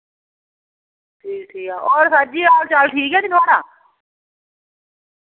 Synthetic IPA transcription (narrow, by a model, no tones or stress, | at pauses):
ʈʰiːk̚ʈʰiːkaːʔɔːɾsatːd͡ʒiːaːlt͡ʃalʈʰiːkɛːnit̪ʰaːɽaː